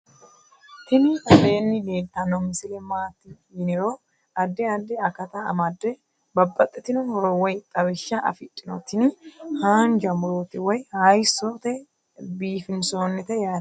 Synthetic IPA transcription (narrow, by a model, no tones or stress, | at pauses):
t̪ɪnɪɐfɛjɛnːɪd̪eːt̪ːɐnɔmɪsɪlɛmaːt̪ːɪ | jɪnɛɾo | ɐd̪ːɛɐd̪ːɛɐkɐt̪ɐɐ̰mɐd̪ːɛ | bɐbːɐt̪ʼːɛt̪ɪnɔhɔɾɔwɔjt̪ʼɐwɪʃːɐʔɐ̰fɪt̪ʼːɪnɔt̪ːɪnhaːnd͡ʒɐmʊɾoːt̪ɪwɔjhɐjsɔt̪ɛ | biːfɪnsoːnːɛt̪ɛjaː